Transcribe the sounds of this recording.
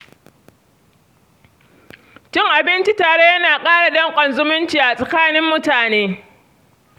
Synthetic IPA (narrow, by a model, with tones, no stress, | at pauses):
t͡ʃɪ˦˨ŋʔa˨bɪ˦nt͡ʃi˦taː˨ɽe˦jɐ˦naː˨kʼaː˦ɽa˨dɐ˦ŋkʷʼɐ˨nzʊ˦mʊ˦nt͡ʃiː˨ʔa˨sʼɐ˨kaː˦nɪ˦mːʊ˦taː˨neː˦